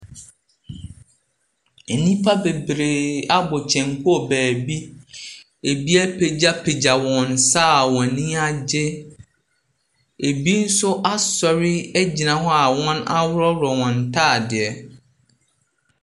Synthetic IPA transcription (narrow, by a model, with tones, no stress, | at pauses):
e˨nĩ˦pʰa˦be˨bɾe˨a˦bɔ˨t͡ɕʰɛ̃˨ŋ˨kʰʊ˦ɔ˨bæː˨bi˦ | e˨bi˦æ˦pʰe˨d͡ʑa˦pʰe˨d͡ʑa˨wɔ̃˨n˨sa˦˨wɔ̃˨nĩ˦a˦d͡ʑɪ˦ | e˨bi˦n̩˦sʊ˦ʔa˦sɔ˨ɾɪ˦ɛ˦d͡ʑi˨nã˨ɦɔ˦a˨wɔ̃˦na˦wʊ˦ɾɔ˦ɾɔ˨wɔ̃˨n˨tʰaː˦˨dɪ˨ɛ˨